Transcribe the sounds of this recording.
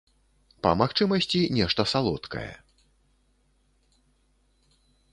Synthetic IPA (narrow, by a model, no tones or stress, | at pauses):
pɐ̰maxt͡ʂɨmɐsʲt͡sʲinʲɛʂt̪ɐsalˠɔt̪kɐ̰jɛ̰